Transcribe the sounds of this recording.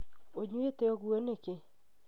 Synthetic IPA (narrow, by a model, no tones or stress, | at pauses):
oɲwet̪eɔɡwoneke